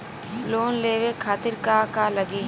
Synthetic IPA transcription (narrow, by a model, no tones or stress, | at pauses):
loːnleːʋeːkʰaːt̪ɪɾkaːkaːləɡeː